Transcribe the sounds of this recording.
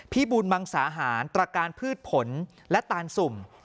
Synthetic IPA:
pʰiː˥˩buː˧nma˧ŋsaː˩˦ɦaː˩˦nt̪ɾa˧kaː˧npʰɯː˥˩t̪̚pʰo˩˦n | lɛ˦˥t̪aː˧nsu˨˩m

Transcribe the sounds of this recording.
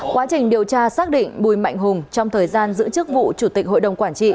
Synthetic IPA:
kwaː˨˦t͡ɕï˨˩ŋ̟ɗi˨˩əwt͡ɕaː˧saː˦˥k̚ɗḭ̈˧˨ŋ̟ɓu˨˩jma̰˧˨jŋ̟ɦʊ˨˩ŋ͡mt͡ɕɔ˧wŋ͡mt̪ʰəː˨˩jzaː˧nzɨ̰˧˥t͡ɕɨ˦˥ək̚vṵ˧˨t͡ɕu˧˩t̪ï˨˩k̟ɦo̰˧˨jɗə˨˩wŋ͡mkwaː˧˩nt͡ɕḭ˧˨

